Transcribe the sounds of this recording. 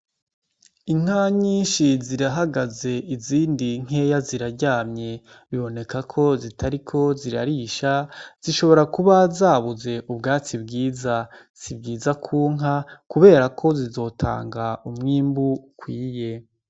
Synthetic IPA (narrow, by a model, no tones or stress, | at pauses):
iŋ̥aɲiːnʃiziɾaɦaɡaze̞iziːndiŋ̥e̞jaziɾaɾɟaːmɲe̞ | βiβo̞ne̞kakʰo̞zitʰaɾikʰo̞ziɾa̰ɾiːʃaz̥iʃo̞βo̞ɾakuβazaːβuze̞ʔubɡaːt͡sibɡiːza | z̥ibɟiːzakʰuːŋɦakuβe̞ːɾakʰo̞zizo̞ːtʰa̰ːŋɡaumŋiːmbukwiːje̞